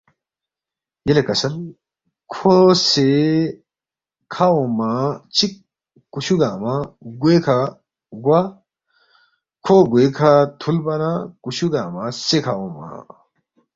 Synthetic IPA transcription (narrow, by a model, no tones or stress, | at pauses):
jelekɐsɐl | kʰose | kʰawomat͡ɕʰik̚ː | uɕuɡaːmaɡwekʰa | ɡwa | kʰoɡuekʰat̪ʰulbɐnakuɕuɡaːmasekʰawoma̰